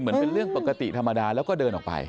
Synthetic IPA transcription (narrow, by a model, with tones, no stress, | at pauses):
mɯ˩˦ənpe˧nlɾɯ˥˩əŋpo˨˩kːa˧t̪ḭ˨˩t̪ʰa˧mːa˧daː˧lɛː˦˥wkɔː˥˩dɤː˧nʔɔː˨˩k̚pa̰˧j